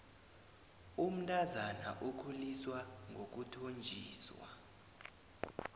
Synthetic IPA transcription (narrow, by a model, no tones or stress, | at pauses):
um̩tʼazana̰ʔokʰuliswaŋɡʱok̬utʰond͡ʒʱiːswa̰